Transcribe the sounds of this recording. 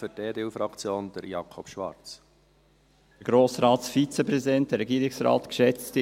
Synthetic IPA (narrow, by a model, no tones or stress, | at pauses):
fʏɾteːd̪eufɾɑkt͡sjoːnd̪̥əɾjɑkʰɔpʃʋɑ̰ɾt͡s | əɡ̥ɾoːsɾɑːtsfit͡səpɾɛsidɛnt̚d̥əɾɛɡiːɾɪksɾɑ̰ːt̪kʃɛt͡st